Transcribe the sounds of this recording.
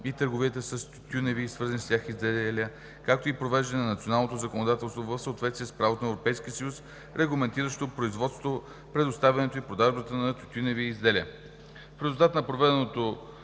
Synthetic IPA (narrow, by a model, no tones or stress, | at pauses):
it̪əɾɡoviət̪əsəst̪ut̪ʲunɛvisvɤɾzənist̪ʲjaxizd̪ɛlʲə | kak̚t̪oipɾovɛʒd̪ɐnɛnɐnɐt̪sionalˠnot̪ozəkonod̪at̪ɛlˠst̪vovəfsəot̪vɛt̪t̪iɛspɾavot̪onɛvɾopɛjskʲiəsəjus | ɾɛɡlˠɐmɛnt̪iɾəʃt̪opɾoizvɔt̪st̪o | pɾɛd̪ost̪avʲɐnɛt̪oipɾod̪aʒbət̪ənɐt̪ut̪ʲunɛviːzd̪ɛlʲə | fɾɛzulˠt̪at̪nɐpɾovɛd̪ɛnot̪o